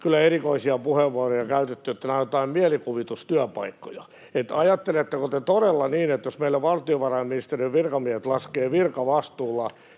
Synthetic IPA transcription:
kylːˑæerikoisiɑpuheʋːuɑrojɑkæyt̪et̪ːyet̪ːænɑjot̪ɑimmiælikuʋit̪ust̪yæpɑikːojɑ | et̪ɑjɑt̪ːelet̪ːekot̪et̪odelːɑniːnet̪josmeilːæʋɑlt̪ioʋɑrɑjmminist̪eriʋʋirkɑmiɛæhet̪lɑskeːʋirkɑʋɑst̪uːlːɑ

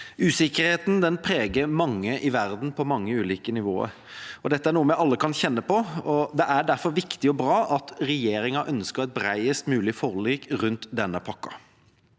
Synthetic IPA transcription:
ʉːsɪkəɾheːt̪n̩d̪ɛnpʰɾeːɡəɾmɑŋːəʔɪʋæɾd̪n̩pʰɔmɑŋːəʉːliːkənɪʋo̰ːə̰ɾ | ɔd̪ɛt̪ːəæɳuːəmjæɪɑlːəkʰɑnçɛnːəpɔɔd̪ɛʔæɖæɾfɔɾʋɪkt̪ɪɔbɾɑːʔɑt̪ɾɛjeːɾɪŋɑʔœnskəɾɛɪt̪̚bɾæɪəst̪mʉːlɪfɔʁliːkɾʉnt̪d̪ɛnːəpʰɑkːɑ̰

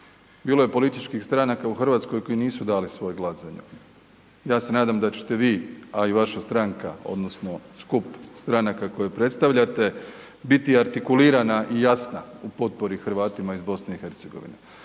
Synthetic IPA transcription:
biːlo̞je̞po̞lit̪it͡ʃkixst̪ɾanakauxr̩ʋat̪sko̞jko̞jiniːsud̪aːlisʋo̞jɡlˠazaɲu | jaːse̞naːd̪amd̪at͡ɕe̥t̪e̞ʋiːaiʋaʃast̪ɾaŋka̰o̞̰d̪nosno̞skupst̪ɾanakako̞jepɾe̞t̪st̪aʋʎat̪e̞ | bit̪iaɾt̪ikuliːɾanaʔijasna̰upo̞t̪̚po̞ɾixɾʋaːt̪imaizbo̞sne̞ixe̞ɾt̪seɡo̞ʋḭnḛ

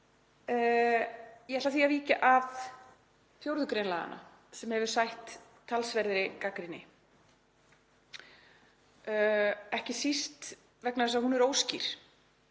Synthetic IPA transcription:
jɛɛht̪aθiaviːcaʔav | fjowɾðʏkɾejnlaːða̰nʔa̰ | sɛmhɛvʏɾ̥sajht̪ʰː | alsvɛɾðɾɪkakɾinɪ | ɛhcɪsist̪ | vɛknaðɛs̬ahunɛɾoːwsciɾ̥

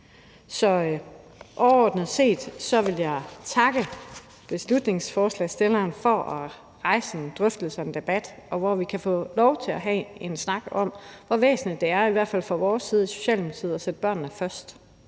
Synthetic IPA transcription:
sɒ̽ | ʔɒʊɐɒ̰ːd̥nəð̩ˠse̝̰ːd̥sɒ̽ʋe̝ljɑ̈ɪt͡sʰɑ̈ɡ̥ə | b̥e̝slud̥ne̝ŋsfɒːslɛ̰ɪsd̥elɐːnfɒʔæ | ʁɑ̈ɪsn̩d̥ʁœfd̥l̩sɑe̝nd̥e̝b̥æd̥ɒ̽ʋɒʋikʰæfɔ̰ːlɒʊt͡sʰe̝æɦɛe̝nsnɑ̈ɡ̥ɒ̽m̰ʋɒʋḛːsn̩lid̥ːe̝æɐiʋæɐ̰d̥fæl̰fɒ̈ʋɒːsːiːð̞ˠiso̝̥ɕɛ̰ːld̥eml̩siːð̞̩ˠɒ̽sed̥əb̥ɶɐ̰nnəfɶɐsd̥

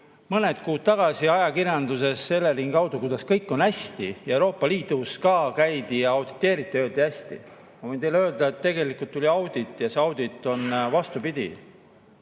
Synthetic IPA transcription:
mɤne̞d̪̥̚kuːd̪̥̚t̪ɑɡ̥ɑsiɑjɑkiɾjɑnd̪use̞sːe̞lːeɾiŋɡɑwd̪̥ukud̪̥ɑskɤjkːˑo̞næsʲt̪ḭjɑewɾo̞ːpːˑɑliːd̪̥uskɑːkæjd̪̥ijɑɑwd̪̥it̪ːˑe̞ːɾit̪ːˑiøːld̪̥iæsʲt̪ḭ | mɑvɤjnt̪ejleøːld̪ɑet̪ːe̞ɡe̞likˑult̪ːulʲiɑwd̪̥it̪ːˑjɑseɑwd̪̥it̪ːˑo̞nvɑst̪upid̪̥ʲḭ

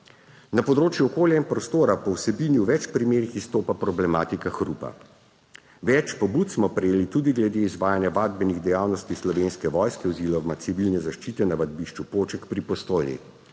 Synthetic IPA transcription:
napɔd̪ɾoːt͡ʃjuɔkoːljainpɾɔst̪oːɾapɔwsɛbiːnjuwʋɛt͡ʃpɾimeːɾixist̪oːpapɾɔblɛmaːt̪ikaxɾuːpa̰ | ʋɛt͡ʃpɔbut̪smɔpɾɛjeːlit̪ud̪iɡlɛd̪eizʋaːjanjaʋaːd̪bɛniɣd̪ɛjaːwnɔst̪islɔʋeːnskɛʋɔjskɛɔziːlɔmasiʋilnɛzaʃt͡ʃiːt̪ɛnaʋad̪̚biʃt͡ʃupoːt͡ʃɛkpɾipɔst̪oːjnḭ

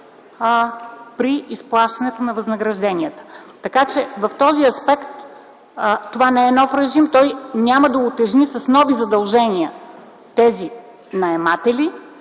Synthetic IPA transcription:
pɾiːsplˠaʃt̪ɐnɛt̪onɐvɐznəɡɾɐʒd̪ɛniət̪ə̥t̪ɐkat͡ʃɛvɐft̪ɔziɐspɛkt̪ | t̪ovanɛɛnɔfɾɛʒimt̪ɔjnʲaməd̪ɐʊt̪ɛʒnisɐsnɔvizɐd̪ɐlˠʒɛniə | t̪ɛzi | nɐɛmat̪ɛli

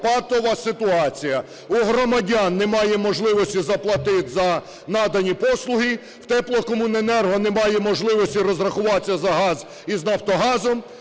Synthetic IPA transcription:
pɑt̪ɔʋɐsɪt̪ʊɑt͡sʲijɐ | uɦɾɔmɐdʲɑnːɛmɑjɛmɔʒlˠɪʋɔsʲtʲizɐplˠɐt̪ɪt̪ʲzɐ | nɑd̪ɐnʲipɔslˠʊɦi | w̥t̪ɛplˠɔkɔmʊnenɛrɦɔnɛmɑjɛmɔʒlˠɪʋɔsʲtʲirɔzrɐxʊʋɑt͡sʲːɐzɐɦɑz | iznɐwt̪ɔɦɑzɔm

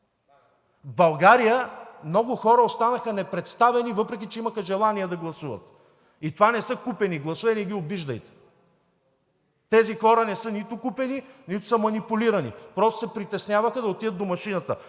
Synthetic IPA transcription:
vbɐlˠɡaɾijəmnɔɡʊxɔɾəost̪anəxɐnɛpɾɛt̪st̪avɛnivɤpɾɛk̬it͡ʃɛiməxɐʒɛlˠaniɛd̪ɐɡlˠɐsuvə̰t̪ | it̪ovanɛsɤkupɛniɡlˠɐsuvɛniɡ̟iobiʒd̪əjt̪ɛ̥ | t̪ɛzixɔɾənɛsɤnit̪ʊkupɛninit̪ʊ̥səmɐnipʊliɾɐnḭpɾɔst̪ʊ̥sɛpɾit̪ɛsnʲjavəxəd̪ɐot̪id̪ət̪̚d̪omɐʃinət̪ə

